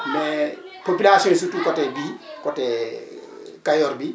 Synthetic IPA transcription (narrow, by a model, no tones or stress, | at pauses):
mɛ | popilasõsutukɔtɛbikɔtɛ | kajɔɾbi